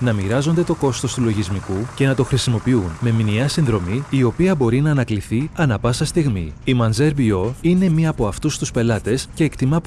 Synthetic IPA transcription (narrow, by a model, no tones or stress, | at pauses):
nɐmiɾɐzo̞nd̪e̞t̪o̞ko̞st̪o̞st̪ulo̞ʝizmikuce̞nɐt̪o̞xɾisimo̞piunme̞miniɐsinðɾo̞miːo̞piɐbo̞ɾinɐːnɐkliθiɐnɐpɐsɐst̪iɣmḭimɐnzeɾbio̞ine̞miɐːpo̞ɐft̪ust̪uspe̞lɐt̪e̞sce̞ːkt̪imɐp